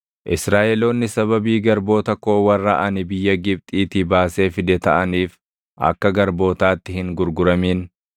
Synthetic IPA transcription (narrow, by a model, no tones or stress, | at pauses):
ʔɪsɾaːʔɛlo̞ːnːɪsɐβɐbiːɡɐɾbo̞ːt̪ɐko̞ːwɐrːɐʔɐnɪbɪjːɐɡɪb̚t̪ʼiːt̪ɪbaːse̞ːfɪd̪ɛt̪ɐʔɐniːf | ʔɐ̰kːɐɡɐɾbo̞ːt̪aːt̪ːɪhɪŋɡʊɾɡʊɾɐmiːn